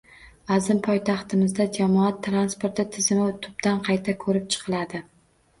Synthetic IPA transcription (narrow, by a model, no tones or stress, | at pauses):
azɪmpʰɒjt̪ʰɑχt̪ɪmɪzd̪ad͡ʒamɒat̪ʰːɾanspoɾt̪ɪt̪ʰɪzɪmɪt̪ʰʊ̥b̚d̪anqʰɑjt̪ʰakʰɵɾɪp̚t͡ʃʰɨ̥qʰɨlad̪ɪ